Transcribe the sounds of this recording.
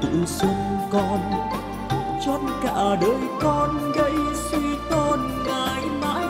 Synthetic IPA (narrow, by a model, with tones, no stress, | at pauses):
ɨ̰˧˨si˧ŋkɔ˧n | t͡ɕɔ˧nka̰ː˧˩˨ɗəː˧jkɔ˧nɣə˧˥jsi˧t̪o˧n | ŋaː˨˩jma̰ː˧˥